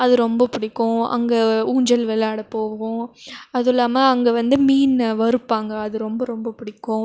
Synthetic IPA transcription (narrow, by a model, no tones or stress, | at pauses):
ɐðɯɾɔmbɐpɪɽɪkːʊ̃ɐ̰ŋɡɐuːɲd͡ʒɐlʋɛlaːɽɐpoːʋɯɣʊ̃ɐðɪlːaːmɐːŋɡɐʋɐnd̪ɯmiːnʋɐɾɯpːaːŋɡɐːðɯɾɔmbɐɾɔmbɐpɪɽɪkːʊ̃